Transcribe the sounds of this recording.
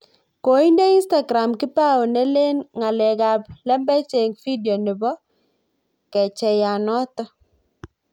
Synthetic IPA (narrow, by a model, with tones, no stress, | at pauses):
ko˨i˦nde˦i˦nsta˨ɡɾa˨mki˦pa˦o˨nɛ˦le˦nŋa˨lɛ˨ka˨plɛ˦mbɛ˦t͡ʃe˨ŋfi˦djɔ˨ni˨bɔ˦ | kɛ˨t͡ʃɛ˨ja˨nɔ˦tɔ˦